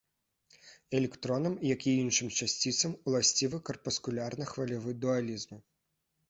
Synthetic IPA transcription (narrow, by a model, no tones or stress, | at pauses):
ɛlʲɛkt̪ɾɔnɐmjakʲiinʂɨmt͡ʃasʲt͡sʲit̪sɐmulˠasʲt͡sʲivɨkɐrpɐskulʲarnɐxvɐlʲavɨd̪ualʲizmɨ